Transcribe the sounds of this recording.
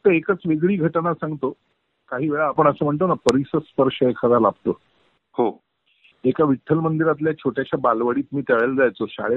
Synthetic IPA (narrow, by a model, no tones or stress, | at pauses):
t̪əekət͡sʋeɡɭiːɡʱəʈnasãŋɡt̪o | kaɦiːʋeɭaːpəɳ̃əsəːm̤əɳt̪onapəɾisəspəɾʂəekʰad͡zalabt̪o̰ | ho | ekaʋiʈʰːəlmənd̪iɾat̪ljat͡ɕʰoʈjaɕjabalʋəɽiːt̪miːt̪eʋeld͡zajt͡sosa̰ɭe